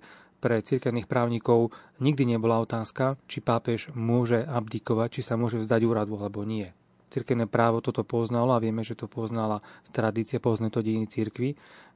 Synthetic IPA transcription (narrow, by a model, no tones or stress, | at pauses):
pɾɛt͡siɾkɛʊniːxpɾaːʊɲikɔʊɲiɡd̪iɲɛbɔlaɔt̪aːskat͡ʃipaːpɛʒmʊɔʒɛabd̪ikɔʋac̚t͡ʃisamʊɔʒɛvzd̪aɟuːɾad̪ualɛbɔɲɪɛ | t͡siɾkɛʊnɛːpɾaːʋɔt̪ɔt̪ɔpɔznalɔaʋɪɛmɛʒɛt̪ɔpɔznalast̪ɾad̪iːt͡sɪapɔznɛt̪ɔɟinit͡siɾkʋi